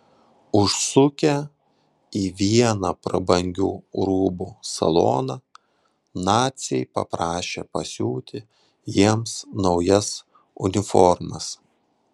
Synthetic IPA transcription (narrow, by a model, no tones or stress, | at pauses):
ʊʃsʊkʲɛ | iːʋʲiɛnɑpɾɐbɐŋʲɡʲṵːɾuːbuːsɐ̰lˠo̰ːnɑ | nɑːt̪ʲsʲɛ̰ɪpɐ̰pɾɑːʃʲḛːpɐsʲuːt̪ʲɪ | jiɛmsnɒʊjɛs | ʊ̰nʲɪfɔɾmɐs